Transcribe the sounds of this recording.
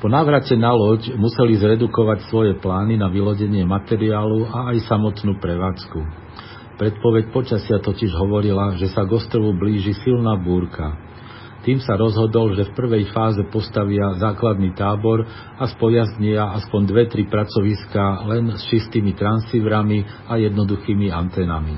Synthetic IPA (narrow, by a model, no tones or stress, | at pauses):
pɔnaːʋɾacɛnalɔɟmusɛlizɾɛd̪ukɔʋacsʋɔjɛplaːninaʋilɔɟɛɲɪɛmat̪ɛɾiaːluaːjsamɔt̪nuːpɾɛʋaːt͡sku | pɾɛt̪̚pɔʋɛcpɔt͡ʃasɪat̪ɔciʒɦɔʋɔɾilaʒɛsaɡɔst̪ɾɔʋubliːʒisilnaːbuːɾka | t̪iːmsaɾɔzɦɔd̪ɔlʒɛfpr̩ʋɛjfaːzɛpɔst̪aʋɪazaːklad̪niːt̪aːbɔɾ | aspɔjazɲiaaspɔɲd̪ʋɛt̪ɾipɾat͡sɔʋiskalɛnst͡ʃist̪iːmit̪ɾansiʋɾamiajɛd̪nɔd̪uxiːmiant̪ɛːnami